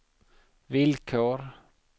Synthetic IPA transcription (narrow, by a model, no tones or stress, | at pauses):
vɪlkʰoːɾ